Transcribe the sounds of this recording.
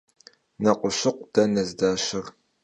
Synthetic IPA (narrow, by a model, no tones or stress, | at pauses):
nɐqʷʊɕɪqʷd̥ɐnɐzdaːɕɪr